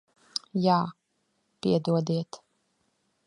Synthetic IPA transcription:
jaː | piɛd̪uɔd̪iɛt̪

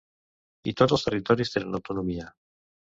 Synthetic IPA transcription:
ḭt̪ot̪lost̪erit̪oɾjizðelanawt̪onomia

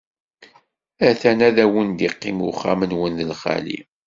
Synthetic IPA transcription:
æθænæðæwənd̪iqːimuχːamənwənðəlχa̰lḭ

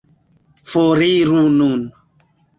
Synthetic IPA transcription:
foɾiɾunun

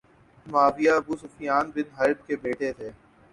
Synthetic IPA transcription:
maːbɪjaɐbuːsʊfɪjaːnbɪd̪ʱɦaːɾɪb̚kebeːʈet̪ʰeː

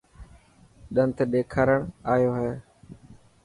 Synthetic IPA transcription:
ɗə̃nt̪ɗ̪eːkʰaːɾəɳ̃aːjoːɦeː

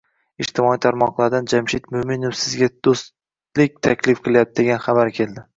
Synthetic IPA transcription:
ɪd͡ʒt̪ʰɪmɒit̪ʰaɾmɒqlˠaɾd̪and͡ʒamʃɪt̪mʊmɪnʊfsɪzɡʲad̪̥ostt̪ | lɪk̚ʲt̪ʰakʲʰlɪfqʰɨlˠajap̪̚ɪd̪eɡʲanχabaɾkʲʰe̞lˠd̪ɪ

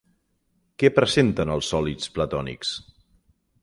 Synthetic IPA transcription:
kɛpɾəzent̪ənəlˠsːɔlit͡splət̪ɔnḭks

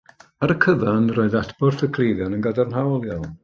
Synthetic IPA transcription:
aɾəkʰəvanroːɨðatb̥ɔrθəkʰl̥ˠejðjanənɡadarnɦawlˠja

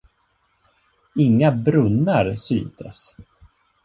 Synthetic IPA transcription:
ɪŋːabɾɵnːaɾsy̰nt̪ʰə̰s

